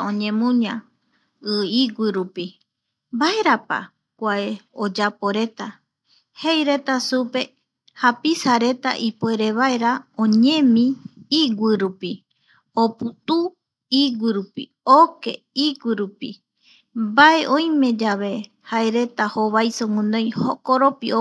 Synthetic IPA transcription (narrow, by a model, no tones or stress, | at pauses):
õ̞ɲẽ̞mũɲã | ɨiɡʷiɾupi | bae̞ɾapa̰ | kʷaeod͡ʒapo̞ɾe̞t̪a | hejɾe̞t̪asupe̞ | hapisaɾe̞t̪a̰ʔipoe̞ɾe̞βae̞ɾaõɲẽ̞mĩiɡʷiɾupi | oput̪u | iɡʷiɾupḭ | oke̞ | iɡʷiɾupḭ | bae̞ʔõ̞j̃mẽ̞d͡ʒaβe̞ | haeɾe̞t̪ahoβajsoŋɨ̃nõj̃hokoɾo̞pio